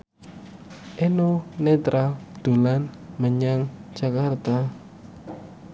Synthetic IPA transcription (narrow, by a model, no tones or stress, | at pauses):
ʔenonet̪ɾad̪̥ṳlanməɲaŋ̥d͡ʒ̥a̤kart̪a